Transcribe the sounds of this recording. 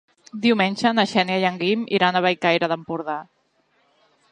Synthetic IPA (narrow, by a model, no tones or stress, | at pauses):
d̪iwmenʲʒənəʃɛnjajəŋɡimḭɾanəβajkajɾəðəmpuɾða